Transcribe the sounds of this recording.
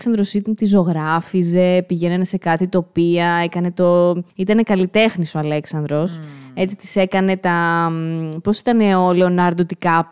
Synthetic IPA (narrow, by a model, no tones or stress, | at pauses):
ksɐnd̪ɾo̞sit̪t̪izo̞ɣɾɐfize̞piʝe̞nɐnese̞kɐt̪it̪o̞piɐe̞kɐne̞t̪o̞it̪ɐne̞kɐlit̪e̞xniso̞ɐle̞ksɐnd̪ɾo̞se̞t͡si̥t̪i̥se̞kɐne̞t̪ɐ | po̞si̥t̪ɐne̞o̞lonɐɾd̪ot̪ikɐ